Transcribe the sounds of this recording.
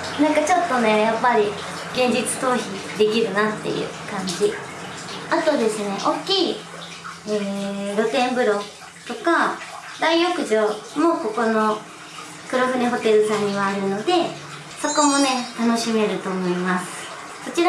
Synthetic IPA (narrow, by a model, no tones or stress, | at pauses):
nãŋkat͡ɕo̞t̪ːo̞ne̞japːaɾʲi | ɡ̥ẽ̞ɲ̟d͡ʑit͡sɨ̥t̪o̞ːçid̪e̞kʲiɾɯ̟nat̪ːe̞̰jɯ̰kãɲ̟d͡ʑi | at̪o̞d̪e̞sɨne̞ʔokʲːiː | eɾo̞t̪ẽ̞mbɯ̟ɾo̞ | t̪o̞ka | d̪aijokɯ̟ʑo̞mo̞ko̞ko̞no̞ | kɯ̟ɾoɸɯ̟neɦo̞t̪e̞ɾɯ̟sãɲ̟ːiβaːɾɯ̟no̞d̪e̞ | so̞ko̞mo̞ne̞t̪ano̞ɕime̞ɾɯ̟t̪o̞ːmo̞imasɨ̥ | so̞t͡ɕiɾa